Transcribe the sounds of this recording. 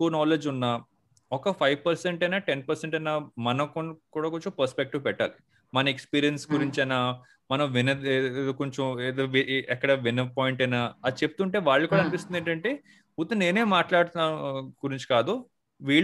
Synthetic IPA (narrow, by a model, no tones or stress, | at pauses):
uːnaːled͡ʒunːaː | ɔkɐpʰɐjʋpɐɾseɳʈɐjnaːʈenpɐɾseɳʈɐjnaːmɐnɐkkuːɽaːkoɲt͡ʃompɐɾspek̚ʈiʋpɛʈːa̰ːli | mɐnɐekspiːɾijɐnsɡuɾiɲt͡ʃɐjnaː | mɐnɐ̃mʋinɐkoɲt͡ʃɐmeːd̪oːʋiɛkːɐɽɐʋinɐpɔːjiɳʈɐjnaːɐt͡ʃepu̥t̪uɳʈe̞ːʋaːɭːɐkuːɽaɐːnipist̪und̪eɳʈɐɳʈe̞ː | ut̪ːɐne̞ːne̞ːmaːʈlaːɽt̪aːɡuɾiɲt͡ʃi̥kaːd̪u | ʋiːɭ